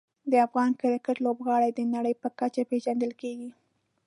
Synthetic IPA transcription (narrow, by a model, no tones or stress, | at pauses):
d̪əafɣɑnkəɾakəʈlobɣɑɽajd̪ənaɽəjpəkat͡ʃapeʒand̪əlkeɡi